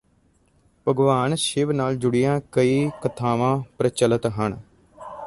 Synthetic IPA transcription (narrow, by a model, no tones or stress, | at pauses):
pəɡʋaːnʃɪʋnaːld͡ʒʊɽijãːkəiːkət̪ʰaːʋãːpɾət͡ʃələt̪ɦəɳ